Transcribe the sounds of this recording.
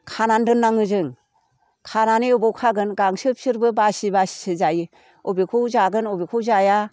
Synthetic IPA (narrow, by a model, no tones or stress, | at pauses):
kʰanandɯnːaŋɯzɯŋ | kʰananeɯbɔwkʰaɡɯnɡaŋsɯp̚sɯɾbɯbasibassizaji | ɔbikʰɯwzaɡɯnɔbikʰuzaja